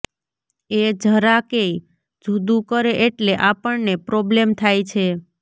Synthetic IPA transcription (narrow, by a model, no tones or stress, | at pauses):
ed͡ʒʱəɾakej | d͡ʒʱud̪ũkəɾeʔeʈleʔapəɭnepɾɔblemt̪ʰajt͡ʃʰe